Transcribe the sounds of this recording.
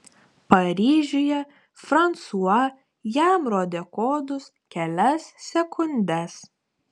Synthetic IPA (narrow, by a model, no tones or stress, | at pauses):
pɐɾʲiːʒʲʊjɛ | fɾɐnt̪suɐ | jæmɾoːd̪ʲekoːd̪ʊs | kʲɛlʲɛsːʲɛkʊnʲd̪ʲɛs